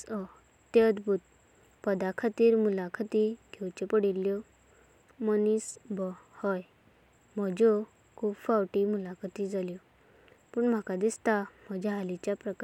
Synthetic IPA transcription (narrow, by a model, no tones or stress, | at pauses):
t̪jed̪bʱut̪̚ | pəd̪akʰat̪iːɾmulakʰat̪iɡʱewt͡ɕepəɽilːjɔ | mənisbɔhɔj | m̤əd͡ʑo | kʰuːbfawʈimulakʰat̪id͡zaljɔ | puːɳm̤akad̪ist̪am̤əd͡ʑaɦalit͡ɕjapɾək